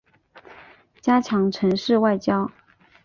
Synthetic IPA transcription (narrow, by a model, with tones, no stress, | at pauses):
t͡ɕja˥t͡ɕʰjɑ˧˥ŋʈ͡ʂʰə˧˥ŋʂɻ̩˥˧wa˥˩ɪt͡ɕjɑ˥ʊ